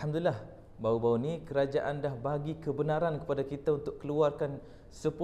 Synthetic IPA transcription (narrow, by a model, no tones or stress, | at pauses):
amd̪ulilah | baubaunikəɾad͡ʒaʔandahbaɡikəbənãɾankə̥padakit̪aunt̪ʊk̚kːəluarkan | səpu